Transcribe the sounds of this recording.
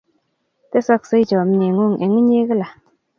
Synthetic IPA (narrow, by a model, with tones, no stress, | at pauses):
te˦sɔ˧k̚sɨ˧˦jt͡ʃɔ˨m̩˦ɲe˨ŋo˦˨ŋe˨ŋi˦ɲe˦kə˦la˨